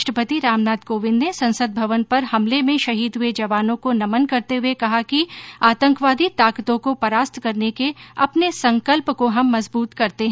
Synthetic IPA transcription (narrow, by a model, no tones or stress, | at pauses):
ʃʈəpət̪iɾaːmnaːd̪koːʋɪ̃nnesɐ̃nsəd̪̚bʱɐʋənpɐɾhɐmlemẽʃɐɦiːd̪ɦʊed͡ʒɐʋaːnõkonɐmənkɐɾt̪eɦʊekɐɦakiaːt̪ə̃ŋkʋaːd̪it̪aːkt̪õkopɐɾaːst̪ʰkɐɾnekeɐpnesɐ̃ŋkəlpkoɦɐmːɐzbuːt̪kɐɾt̪eɦ